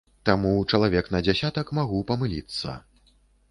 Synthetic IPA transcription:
t̪amut͡ʂɐlˠavʲɛknɐd͡zʲasʲat̪ɐkmaɣupɐmɨlʲḭt̪sːɐ̰

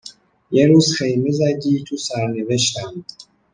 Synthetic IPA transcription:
jeɾuːzxejmezæd̪iːt̪ʰusæɾneveʃt̪æm

